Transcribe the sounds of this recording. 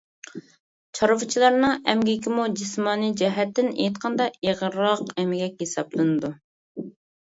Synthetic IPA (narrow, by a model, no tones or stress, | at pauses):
t͡ʃʰɑɾvɨt͡ʃʰilˠɑɾnɨŋɛmɡʲikʲimud͡ʒismɑːnid͡ʒɛɦɛt̪ːɪnḛjt̪qʰɑnd̪ɑiʁɾɑqɛmɪɡʲɛkʲhesɑ̰blˠɨnɨd̪u